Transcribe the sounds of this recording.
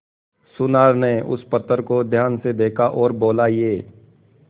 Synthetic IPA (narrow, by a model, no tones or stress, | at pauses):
sʊnaːɾneʔʊ̰spət̪ːəɾkod̪ʱjaːnsed̪eːkʰaʔɔːɾboːlajeː